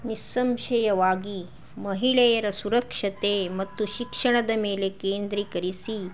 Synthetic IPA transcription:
nisːɐmʃɐjɐʋaːɡi | mɐɦiɭɛjɐɾɐsuɾɐkʂɐt̪eːmɐt̪ːuʃikʂɐɳ̃ɐd̪ɐmeːlekeːnd̪ɾikɐɾisi

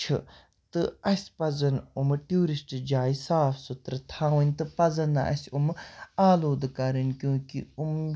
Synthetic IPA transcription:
t͡ʃʰɨ | t̪ɨɐsʲpɐzɐnumʈʲjuːɾisʈd͡ʒaːisaːfʰsut̪ɾɐt̪ʰaːʋɐnʲt̪ɨpɐzɐna̰ʔɐ̰sʲumaːloːd̪kɐɾɐnkʲjũːkium

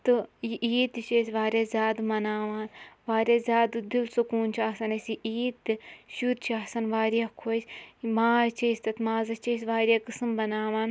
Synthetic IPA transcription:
t̪ɨjiʔiːt̪it͡ʃeːsʲʋaːɾʲjaːzʲaːd̪mɐnaːʋaːnʋaːɾʲjaːzʲaːd̪ɨd̪ilsukuːnt͡ʃʰaːsɐnɐsiiːt̪ːɨʃut̪t͡ʃʰaːsɐnʋaːɾijakʰosʲmaːzt͡ʃʰesʲt̪ɐt̪maːzɐt͡ʃeːsʋaːɾjaːkɨsɨmbɐnaːʋaːn

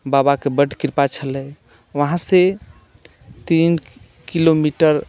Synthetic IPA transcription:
babakebəɖkiɾpat͡ʃʰələ | wəɦãse | t̪in | kilomiʈəɾ

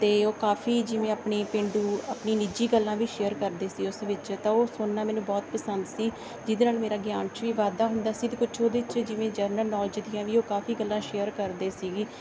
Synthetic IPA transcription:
t̪eːoːkaːfʰiːd͡ʒɪʋẽːaːpɳeːpɪ̃ːɳɖuːəpɳiːnid͡ʒiːɡəlːãːʋiːʃeːəɾkəɾd̪eːsiːʊsʋɪt͡ʃt̪ãoːsʊnːaːmɛ̃ːnũːbɔːt̪pəsənd̪siː | d͡ʒɪd̪eːnaːlmeːɾaːɡjaːnt͡ʃʋiːʋaːd̪aːɦʊnd̪aːsiːt̪eːkʊt͡ʃʰoːd̪eːɪt͡ʃd͡ʒɪʋẽːd͡ʒəɾnəlnɔːld͡ʒd̪ɪjãːʋiːoːkaːfiːɡəlːãːʃeːəɾkəɾd̪eːsiːɡiː

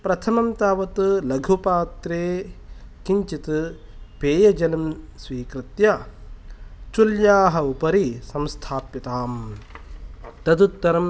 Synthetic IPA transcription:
pɾɐt̪ʰɐmɐmt̪aːʋɐt̪ulɐɡʱupaːt̪ɾeːkiɲt͡ʃit̪ɨ | peːjɐd͡ʒɐlɐmsʋiːkɾɪt̪jɐ | t͡ʃuljaːɦɐupɐɾisɐmst̪ʰaːpit̪aːm | t̪ɐd̪ut̪ːɐɾɐm

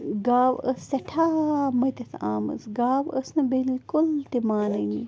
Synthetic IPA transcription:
ɡaːwəsːɐʈʰaːmɐjt̪ɐsʰa̰ːmə̰sɡaːʋəsnɐbilkult̪imaːnɐni

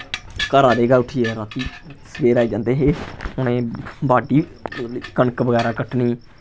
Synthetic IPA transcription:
kəɾaːd̪eːɡaːʊʈʰiːɛɾaːt̪iːsəʋeːɾaːiːd͡ʒãːnd̪eːɦeːʊnẽːbaːɖiːlːkəɳkʋəɡɛːɾaːkəʈʰniː

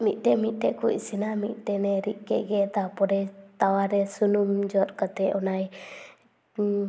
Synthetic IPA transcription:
mit̪̚ˀt̪ɛmit̪̚ˀt̪ɛʔkuʔisinamit̪̚ˀt̪ɛnɛɾiʔ̚kɛʔɡɛt̪apɔɾɛt̪awaɾɛsunumd͡ʒɔt̪̚kat̪ɛɔnaj

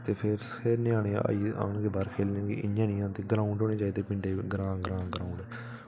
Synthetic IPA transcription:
t̪eːpʰɪɾʰ | eɾnẽaːɽḛ̃ːə̰iːa̰ːnɡeːbaːɾkʰeːlnãːɡḛʔɪɲjãːnĩːãːnt̪eːɡɾaːʊɳɖoːneːt͡ʃaːiːd̪eːpɪɳɖeːɡɾãːɡɾãːɡɾaːʊɳɖɛː

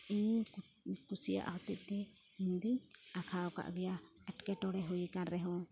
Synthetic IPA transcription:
iɲ | kusija̰ʔhɔt̪iʔ̚t̪ɛ | iɲd̪iɲakʰaɔka̰ʔɡɛja | aʈkɛʈɔɽɛɦujkanɾɛɦɔ̃

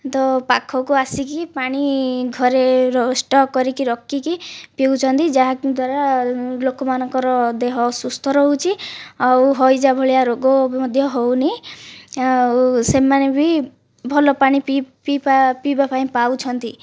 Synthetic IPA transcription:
t̪ɔpakʰːɔkuasikipaɽ̃iɡʱɔɾeɾɔsʈɔkɔɾikiɾɔkːikipiwt͡ʃʰɔnt̪id͡ʒaɦad̪waɾalokɔmanɔŋkɔɾɔd̪eɦɔsust̪ʰɔɾɦowt͡ʃʰiawɦɔjd͡ʒabʱɔɭijaɾoɡɔmɔd̪ʱjɔɦowni | asemanebʱi | bʱɔlɔpaɽ̃ipipipapibapaĩpawt͡ʃʰɔnt̪i

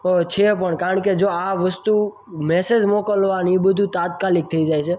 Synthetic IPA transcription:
t̪ot͡ʃʰepəɳkaɾəɳked͡ʒoaʋəst̪u | mɛsed͡ʒmokəlʋanibəd̪ʱut̪at̪̚kalik̚t̪ʰəid͡ʒajt͡ʃʰe

